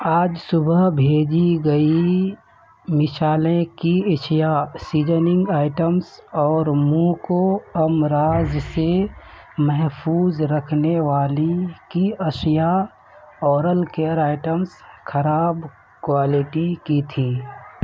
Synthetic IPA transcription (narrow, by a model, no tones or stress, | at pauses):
aːd͡ʒsʊbəɦbʱeːd͡ʒiɡəi | mɪsaːlẽkiɪʃijasiːd͡ʒənɪ̃ŋɡaːɪʈəmsɔːɾmukoɐmɾaːzse | mɛɦpʰuːzɾəkʰneʋaːlikiəʃja | ɔːɾəlkejəɾaːɪʈəmskʰəɾaːb | kwaːlɪʈikit̪ʰiː